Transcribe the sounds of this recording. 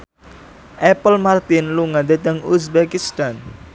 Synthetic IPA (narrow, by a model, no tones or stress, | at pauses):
ʔɛpəlmart̪ɪnluŋad̪et̪əŋusbɛkist̪an